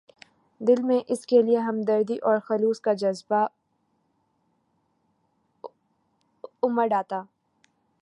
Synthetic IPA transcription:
d̪ɪlmẽʔɪskelieɦɐmd̪əɾd̪iʔɔːɾxɐluːskad͡ʒɐzba | ʊməɾɖaːt̪aː

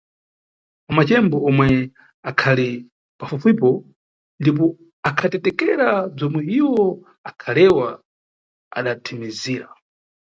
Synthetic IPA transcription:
amat͡ʃɛmbɔɔmwɛ | akʰali | pafufwipɔ | ndip̬ɔ | akʰatɛtɛkɛɾab͡ʐɔmwɛiwɔ | akʰalɛwa | a̰ɗatʰimiziːɾa

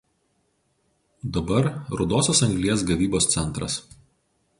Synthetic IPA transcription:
d̪ɐbɐɾɾʊd̪oːsʲoːsɐŋɡlʲiɛsɡɐʋʲiːboːst̪sʲɛnˑt̪ɾɐ̰s

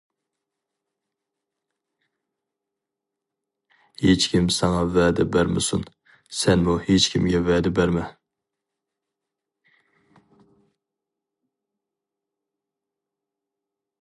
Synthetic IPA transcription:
het͡ʃkʲimsɑŋɑvɛːd̪ɛbæɾmɪsun | sɛnmuhet͡ʃkʲʰimɡʲɛvɛːd̪ɛbæɾmɛ

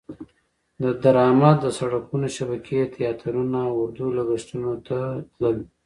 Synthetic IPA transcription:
d̪əd̪aɾɑmat̪̚d̪əsaɽakunoʃabakʰet̪ʰɪjɑt̪ʰɾunawʊɾd̪ulaɡaʂʈunot̪at̪ləl

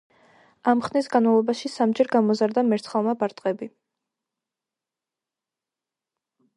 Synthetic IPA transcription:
amχnisɡanmavlˠɔbaʃisamd͡ʒɛɾɡamɔzaɾd̪amɛɾt̪sʰχalˠmabaɾt̪ʼqʼɛbi

